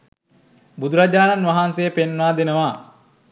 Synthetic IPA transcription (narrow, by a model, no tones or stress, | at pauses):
bud̪uɾad͡ʒaːnanʋaɦansejəpenʋaːd̪enəʋa